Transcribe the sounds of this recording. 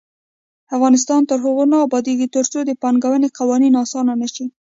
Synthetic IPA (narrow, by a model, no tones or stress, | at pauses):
afɣɑnɪs̬t̪ɑnt̪əɾɦʊɣonɑːbɑd̪eɡit̪əɾt͡sod̪əpɑŋɡawəneqawɑninɑsɑnanaʃi